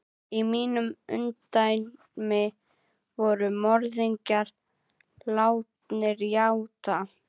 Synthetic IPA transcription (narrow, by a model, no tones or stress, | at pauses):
imiːnʏmʏ̰nt̪ajn | mɪ | vɔɾʏmɔɾðiɲcaɾ̥ | laːwt̪nɪɾjawt̪ʰa